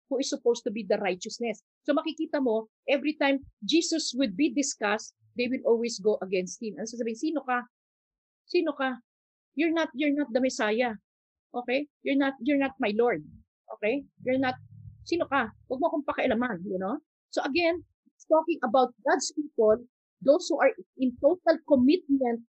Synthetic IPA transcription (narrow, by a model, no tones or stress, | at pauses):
huɪsːʊpowst̪ʊbid̪ɐɾajt͡ʃɐsnɛsːomɐkɪkiːt̪ɐmo̞ | ʔɛvɹit̪ãjmd͡ʒiːsɐswɪd̪̚bid̪ɪskɐst̪̚ | d̪ejwɪlʔolwisɡoʔɐɡɛnst̪̚hɪ̃mʔɐnosasɐbiːɪnsiːnoka | siːnoka | jʊɹnɐt̪̚jʊɹnɐt̪̚d̪ɐmɛsaːjɐ | ʔoːkɛjjʊɹnɐt̪̚jʊɹnɐt̪̚majloɹd̪̚ | ʔo̰kɛjjʊɹnɐt̪̚siːnokawɐɡ̚mokoŋpɐkɐʔɐlamanjʊno | soʔɐɡɛn | ɪst̪okɪ̃ŋʔɐbawt̪̚ɡad̪spiːpol | d̪owshuʔɐɹɪ̃nt̪ot̪ɐlkomɪt̪̚mɛ̃nt̪̚